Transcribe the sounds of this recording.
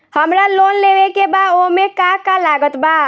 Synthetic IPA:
həmɾalonleʋekebad̪omekakalaɡət̪ba

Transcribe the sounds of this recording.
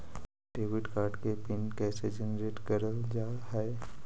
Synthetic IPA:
ɖeːʋɪʈkaːɾɖkepɪnkɛːsed͡ʒɛnɾeːʈkəɾəld͡ʒaːɦɛ

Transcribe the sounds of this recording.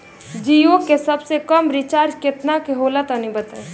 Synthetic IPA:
d͡ʒijokkːesɐbsekəmɾɪt͡ʃaːɾd͡ʒkɪt̪nakeɦoːlat̪anĩbət̪a

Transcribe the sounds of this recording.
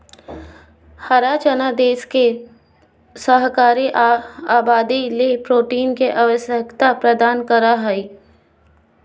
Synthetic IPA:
hɐɾaːt͡ʃənad̪eːske | səɦkaːɾiʔaːbaːd̪ilepɾoːʈiːnkeʔaʋəsjəkt̪apɾɐd̪aːnkɐɾaɦɛi

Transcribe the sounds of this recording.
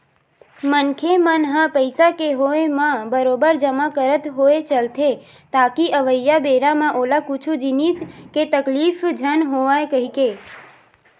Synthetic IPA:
mənkʰemənɦãpəjsakeɦoemãbəɾobəɾd͡ʒəmakəɾət̪ɦoet͡ʃəlt̪ʰe | t̪akiʔəʋəjːabeɾamãʔolakut͡ʃʰud͡ʒinisket̪əklifd͡ʒʱənɦoʋaekəɦike

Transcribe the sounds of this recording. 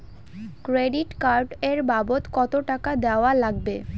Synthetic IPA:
kɾeɖiʈkaɾɖeɾbabot̪kɔt̪oʈakad̪eoalaɡ̚be

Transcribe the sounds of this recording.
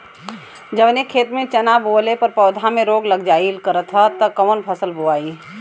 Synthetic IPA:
d͡ʒɐbnekʰeːt̪mẽt͡ʃɐnaːboːlepɐɾpɔːd̪ʱãmẽɾoːɡləɡd͡ʒaːilkəɾət̪ʰɦət̪ɐkɐmənpʰɐsəlbuaːi

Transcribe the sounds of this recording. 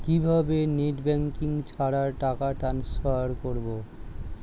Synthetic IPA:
kibʱabeneʈbɛŋkiŋt͡ɕʰaɾaɾʈakaʈɾansfaɾkoɾbo

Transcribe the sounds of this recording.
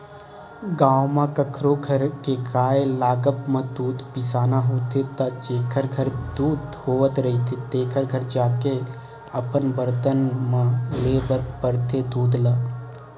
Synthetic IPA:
ɡãːwmãkəkʰɾoɡʱəɾkekaːelaːɡəpmãd̪uːd̪pɪsaːnaɦoːt̪et̪ad͡ʒeːkʰəɾɡʱəɾd̪uːd̪hoːət̪ɾɐɦit̪ʰit̪eːkʰəɾɡʱəɾd͡ʒaːke | ɐpənbəɾt̪ənmãleːbəɾpəɾt̪ed̪uːd̪laː

